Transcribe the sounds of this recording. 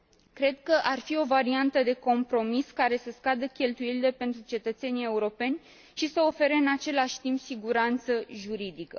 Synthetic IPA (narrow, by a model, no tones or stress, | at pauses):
kɾe̞d̪̚kəʔarfio̞vaɾiant̪əd̪e̞ko̞mpɾo̞miskaɾe̞səskad̪əkʲe̞lt̪ujelile̞pe̞nt̪ɾut͡ʃe̞t̪ət̪se̞nie̞uɾo̞pe̞nʲ | ʃisəo̞fe̞ɾe̞ɨnat͡ʃe̞laʃʲt̪impsiɡuɾant̪səʒuɾid̪ikə̰